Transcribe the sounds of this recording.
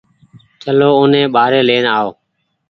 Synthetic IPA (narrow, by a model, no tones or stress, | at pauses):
t͡ʃəloːʊːnẽːɓaːɾeːleːnaːoː